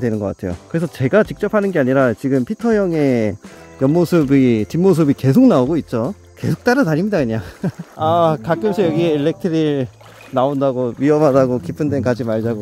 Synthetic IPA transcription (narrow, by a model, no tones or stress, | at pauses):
dwe̞nɯnɡʌk͈atʰe̞jo̰kɯɾe̞sʰʌt͡ɕe̞ɡat͡ɕik̚t͡ɕ͈ʌpʰanɯnɡe̞aɲiɾat͡ɕiɡɯmpʰitʰʌjʌŋe̞jʌnmosʰɯbit͡ɕinmos̬ʰɯbike̞s̬ʰok̚naoɡoit̚t͡ɕ͈o | ke̞sʰok̚t͈aɾɯtaɾimɲidakɯɲaŋakak͈ɯmɕʰijʌɡieiɭːe̞k̚tʰɯɾiɾ | naondaɡoɥiʌmɦadaɡokipʰɯndwenkad͡ʑimaɭd͡ʑaɡo